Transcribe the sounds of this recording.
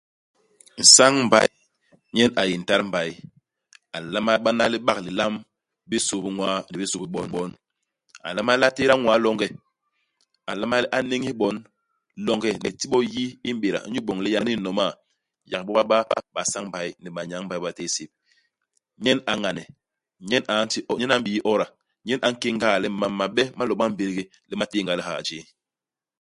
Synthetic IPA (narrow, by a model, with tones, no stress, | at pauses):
n̩˨sa˦ŋm̩˨ba̰˨˦j | ɲɛ˦na˨ji˨n̩˨ta˦ɾm̩˨ba˨i˦ | a˨la˦ma˦ɓa˦na˦li˦ɓa˦kli˨la˦m | bi˦so˨bi˦ŋwa˦ni˨bi˦so˨bi˨ɓɔ˨nɓɔ˦n | a˨la˦ma˦la˦te˦ɾa˦ŋwa˨˦lɔ˦ŋɡɛ˦ | a˨la˦ma˦li˦ʔa˦ne˦ŋ˦i˦ɓɔ˨˦n | lɔ˦ŋɡɛ˦nḭ˨ti˦ɓɔ˦ji˦i˦m̩˦ɓe˨ɾa̰˨˦ɲu˦ɓɔ˨ŋlɛ˦ja˨ni˦nɔ˨ma˦˨ | ja˨kɓɔ˦ba˦ɓa˦ɓa˨sa˦ŋ˦ba˨i˦ni˨ɓa˨ɲa˨˦ŋba˨i˦ɓa˨te˦se˨p̚ | ɲɛ˦na˨ŋa˨nɛ˨ | ɲɛ˦na˨˦n˦ti˦ɲɛ˦na˨˦m̩˦bi˨ji˦ʔɔ˦ɾa˨ | ɲɛ˦nʔa˨ŋ̩˦ke˦ŋɡa˦˨lɛ˦ma˨˦mːa˨ɓɛ˦ma˦lɔ˨ɓa˦m̩˦be˨ɾɡe˦ | lɛ˦ma˦te˦˨ŋɡa˨lɛ˦ha̰˨d͡ʒeː˦